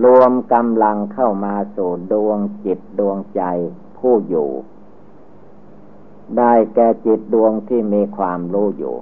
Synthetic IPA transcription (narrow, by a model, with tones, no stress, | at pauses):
lu˧əmka˧mla˧ŋkʰa˥˩wmaː˧suː˨˩du˧əŋt͡ɕi˨˩t̪̚du˧əŋt͡ɕa˧j | pʰuː˥˩jṵː˨˩ | daː˥˩jkɛː˧t͡ɕi˨˩t̪̚du˧əŋt̪ʰiː˥˩miː˧kʰwaː˧mɾuː˦˥˩jṵː˨˩